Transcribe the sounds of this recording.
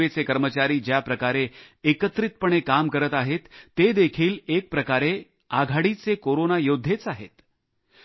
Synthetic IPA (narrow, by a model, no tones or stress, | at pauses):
et͡sekəɾmət͡ɕaɾiːd͡ʑjapɾəkaɾeekət̪ɾit̪pəɳ̃ekamkəɾət̪aɦet̪ːed̪ekʰiːlek̚pɾəkaɾe | aɡʱaɽit͡sekoɾonajod̪ʱːet͡saɦḛt̪